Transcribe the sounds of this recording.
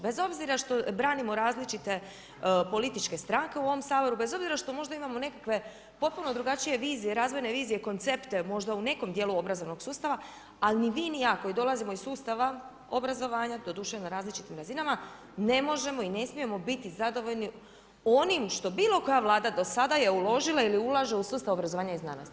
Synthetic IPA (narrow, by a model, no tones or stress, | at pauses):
be̞zo̞bziɾaʃt̪o̞bɾaːnimo̞ɾaːzlit͡ʃit̪e̞ | po̞lit̪it͡ʃke̞st̪ɾaŋke̞uo̞ʋo̞msaːbo̞ɾube̞zo̞bziɾaʃt̪o̞mo̞ʒd̪aimamo̞ne̞kakʋe̞ | po̞t̪̚puno̞d̪ɾuɡat͡ʃije̞ʋiːzijeɾaːzʋo̞jne̞ʋiːzijeko̞nt̪sept̪e̞mo̞ʒd̪aune̞ko̞md̪jeluo̞bɾazo̞ʋno̞ɡ̥suːst̪aʋa | alinimiːnijako̞jid̪o̞lˠazimo̞isuːst̪aʋa | obɾazo̞ʋaːɲad̪o̞d̪uːʃenaɾaːzlit͡ʃit̪imɾazinama | ne̞mo̞ʒe̞mo̞ine̞smije̞mo̞bit̪izad̪o̞ʋo̞ʎni | o̞nimʃt̪o̞biːlˠo̞ko̞jaʋlˠaːd̪ad̪o̞sad̪aje̞ulo̞ʒilˠailiulaʒeusuːst̪aobɾazo̞ʋaːɲaizna̰ːnost̪i